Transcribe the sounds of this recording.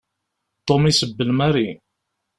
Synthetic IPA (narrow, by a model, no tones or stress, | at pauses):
t̪omisəbːəlmaɾi